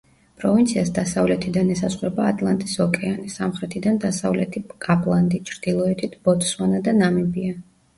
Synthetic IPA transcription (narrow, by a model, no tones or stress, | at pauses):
pʼɾɔvint̪sʰiasd̪asavlɛt̪ʰid̪anɛsasχɾɛbaːt̪ʼlˠant̪ʼisɔkʼɛanisamχɾɛt̪ʰid̪and̪asavlɛt̪ʰikʼapʼlˠand̪it͡ʃʰɾd̪̥ilˠɔɛt̪ʰit̪ʰb̥ɔt̪ʼswanad̪anamibia